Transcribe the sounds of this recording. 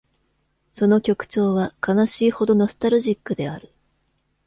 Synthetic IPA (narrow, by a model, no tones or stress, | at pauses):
so̞no̞kʲo̞kɯ̟̥t͡ɕo̞ːβakanaɕiːho̞d̪o̞no̞sɨ̥t̪aɾɯ̟ʑikːɯ̟d̪e̞aɾɯ̟